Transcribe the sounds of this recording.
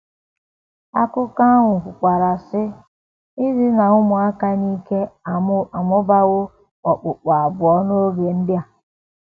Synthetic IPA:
a˦kʊ˦ka˦ŋʷʊ˨kʊ˨kʷa˨ɾa˨sɪ˦ | ɪ˦zi˦na˨ʊ˦mʊ˨a˦ka˦ni˦ke˦a˨˦a˨mʊ˦ba˦ɣʊ˦ | ɔ˨k͡pʊ˨k͡pa˨a˨bʊ˨ɔ˦no˦o˦ɡe˨n̩˦dɪ˦a˨

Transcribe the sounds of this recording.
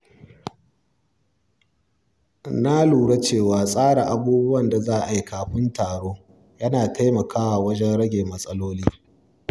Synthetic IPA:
na˦luː˨ɽa˦t͡ʃeː˦˨waː˨sʼaː˦ɽa˨ʔa˨buː˦bʊ˦wɐ˦˨nda˨zaː˦˨ʔa˨ji˦kaː˨ɸɪ˦ntaː˨ɽoː˦ | jɐ˦naː˨ta˦jmɐ˨kʰaː˦wa˨wɐ˦d͡ʒɛ˦nɽɐ˦ɡʲeː˨mɐ˦sʼɐ˦loː˦liː˦

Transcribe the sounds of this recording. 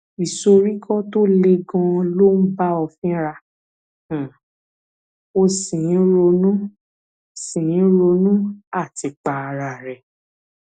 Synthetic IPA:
i˨so˧ɾi˦kʰɔ˦to˦le˧ɡã˧lo˦n̩˦ba˦ɔ˧fĩ˦ɾã˧˨ | o˧sĩ˨˦ɾo˧nũ˦ | sĩ˨ĩ˨˦ɾo˧nũ˦a˦˨ti˧k͡pa˨a˧ɾa˨ɾɛ˨

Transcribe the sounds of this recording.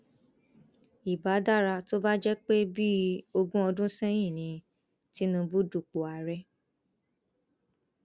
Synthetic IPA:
i˨ba˨˦da˦˨ɾa˧to˦ba˦d͡ʒɛ˦k͡pe˦bi˦o˧ɡũ˦ɔ˧dũ˦sɛ˦j̃ĩ˦˨nĩ˨˧ | ti˨˦nũ˧bu˦du˦˨k͡po˨a˨ɾɛ˧˦

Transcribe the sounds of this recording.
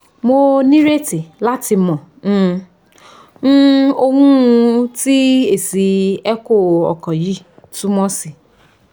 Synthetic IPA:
mo˧nĩ˦ɾe˦ti˨la˦ti˧mɔ̃˨˦˧ | o˦˧hũ˦ũ˧ti˦e˨si˨˦ɛ˦ko˦˨ɔ̰˨kɔ̃˨ji˦˨ | tũ˦mɔ̃˦si˨

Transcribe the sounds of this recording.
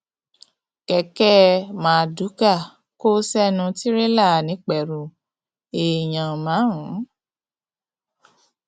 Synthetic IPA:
kɛ˧kɛ˦mãː˨˧du˨˦ka˦˨ | ko˦sɛ˦nũ˧ti˦ɾe˦la˦˨nĩ˨˦k͡pɛ˨ɾũ˨ | e˨ɲã˨mã˨˦ɦũ˨˦

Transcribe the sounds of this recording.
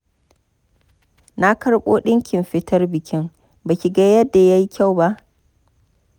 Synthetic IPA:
na˦kɐ˦ɽɓoː˦ɗɪ˦ŋkʲʰɪ˨mɸɪ˦tʰɐ˦rbɪ˨kʲʰɪ˦ŋ | ba˨kʲi˨ɡɐ˦jɐ˦dːa˨ja˦ji˦kʲʰa˦wba˦ʔ

